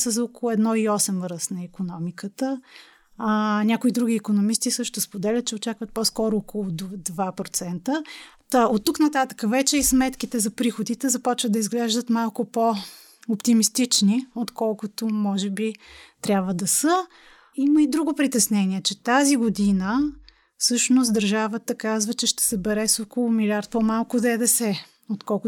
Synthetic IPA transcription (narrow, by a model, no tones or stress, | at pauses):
səzokolˠʊɛd̪nɔiɔsɛmvɾəsnɐikonɔmikət̪ə | nʲakʊid̪ɾuɡ̟iːkonomist̪isɤʃt̪ʊspod̪ɛlʲət̪̚t͡ʃɛot͡ʃakvət̪̚pɔskɔɾʊokolˠʊd̪d̪vapɾot̪sɛnt̪ət̪aot̪ːuknɐt̪at̪ə̥kəvɛt͡ʃɛismɛt̪kit̪ɛzɐpɾixod̪it̪ɛzɐpɔt͡ʃvəd̪d̪ɐizɡlɛʒd̪ət̪malˠkʊpo | opt̪imist̪it͡ʃniot̪kɔlˠkʊt̪omɔʒɛbit̪ɾʲabvəd̪ɐsə | iməid̪ɾuɡʊpɾit̪ɛsnɛniɛt͡ʃɛt̪aziɡod̪inə | fsɤʃnost̪d̪əɾʒavət̪əkazvət͡ʃɛʃt̪ɛ̥sɛbɛɾɛsokolˠʊmilʲiaɾt̪̚pɔmalˠkʊd̪ɛd̪ɛsɛ | ot̪kɔlˠkʊ